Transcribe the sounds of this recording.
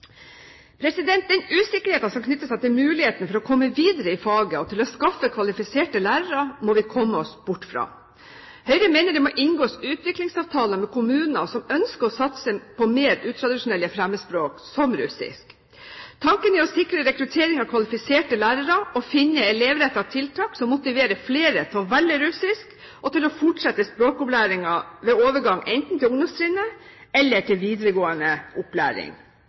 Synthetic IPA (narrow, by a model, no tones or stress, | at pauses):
pʰɾɛsɪd̪ɛnt̪̚d̪ɛnʉːsɪkːəɾheːt̪ɑnsɔmkʰnʏt̪ːəsæɪt̪ɪlmʉːlɪheːt̪nfɔɾɔkʰɔmːəʋiːd̪əɾəɪfɑːɡəɔt̪ʰɪlɔskɑfəkʰʋɑlɪfɪseːʈəlæːɾəɾɑmɔʋɪkʰɔmːəɔsbʊʈːfɾɑ̰ː | hœʏɾəmeːnəɖ̪ɛmɔʔɪnɡoːsʉːt̪ʰʋɪklɪŋsɑːʋt̪ʰɑːləmɛkʊmʉːnnəsɔmœnskəɔsɑt̪səpɔmeːɾʉːt̪ʰɾɑd̪ɪʂʊnɛlːəfɾæmːəspɾoːksɔmɾʉ̰sɪ̰sk | t̪ʰɑŋkənɪɔsɪkɾəɾɛkɾʉt̪ʰeːɾɪŋɑʋkʰʋɑlɪfɪseːʈəlæːɾəɾɑɔfɪnːəɛleːʋɾɛt̪ːɑt̪ʰɪlt̪ʰɑːksɔmːʊt̪ɪʋeːɾəfleːɾət̪ʰɔʋɛld̪ɪɾʉsɪsk | ʔɔt̪ɪlɔfɔʈʂɛt̪ːəspɾoːkʊplæːɾɪŋɑʋɛːoːʋəɡɑŋːʔɛnt̪n̩t̪ʰɪlʊŋd̪ɔmst̪ʰɾɪnə | ɛlːəʈʰɪlʋiːd̪ɾəɡoːənəʔʊplæ̰ːɾɪ̰ŋ